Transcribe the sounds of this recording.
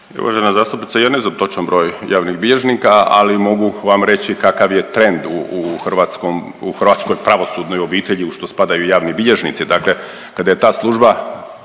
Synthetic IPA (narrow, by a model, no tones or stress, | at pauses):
ṵʋa̰ʒenazaːst̪upnit̪sajanezamt̪o̞t͡ʃanbɾo̞ːjjaːʋniɣbiʎeʒnikaa̰limo̞ɡuʋamɾe̞t͡ɕikakaʋje̞t̪ɾe̞nd̪uuxrʋaːt̪skom | uxr̩ʋaːt̪sko̞jpɾaʋo̞suːd̪no̞jo̞biːt̪eʎiuʃt̪o̞spad̪ajujaːʋnibiʎeʒnḭt̪sid̪akle̞ | kad̪aje̞t̪aːslˠuʒba